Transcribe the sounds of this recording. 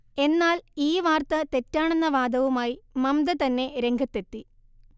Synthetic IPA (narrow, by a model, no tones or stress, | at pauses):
e̞nːaːliːʋaːrt̪ɐt̪e̞tːaːɳenːɐʋaːd̪ɐʋumaːjimɐmd̪ɐt̪ɐnːe̞ɾe̞ŋɡʱɐt̪ːet̪ːi